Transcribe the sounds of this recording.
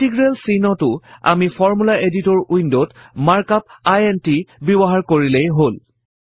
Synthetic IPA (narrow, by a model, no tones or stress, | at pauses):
tiɡɹelsinɔtʊa̰mifʰɔɹmulaʔeditɔɹujndotmaɹkap̚ajentibibɔɦaɹkoɹilejɦol